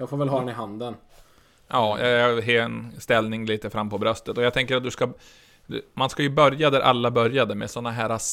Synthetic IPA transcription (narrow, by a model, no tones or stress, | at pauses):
jɑːɡfoːɾvɛlɦɑːd̪ɛnɪɦand̪ən | jɑːjɑ̰ɦeːnst̪ɛlnɪŋliːt̪əfɾamːpɔbɾœst̪ət̪ɔjaɡt̪ʰɛŋkəɾat̪̚d̪ɵska | d̪ɵ̰manskajɵbœɾjad̪æɾʔa̰lːabœɾjad̪əmɛ̰sɔnːaɦæːɾas